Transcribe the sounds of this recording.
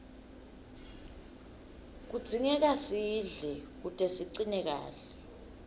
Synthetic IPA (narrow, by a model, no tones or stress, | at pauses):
k̬ud̥z̥ʱiŋɛk̬asiɮɛk̬utʼɛsiǀinɛk̬a̰ːɬɛ